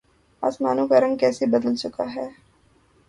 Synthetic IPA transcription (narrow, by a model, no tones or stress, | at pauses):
a̰ːsmaːnõkaɾɐ̃ŋɡkɛːsebɐd̪əlt͡ʃʊkaɦɛː